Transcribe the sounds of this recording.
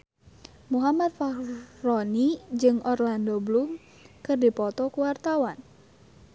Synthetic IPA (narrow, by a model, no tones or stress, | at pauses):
muɦamat̪̚farɔnid͡ʒɨŋɔrlandoblum | kɨrdipɔt̪ɔkuwart̪awan